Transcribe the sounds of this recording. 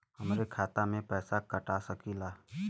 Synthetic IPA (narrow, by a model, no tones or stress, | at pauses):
hɐmɾekʰaːt̪amẽpɛːsakəʈasəkilaː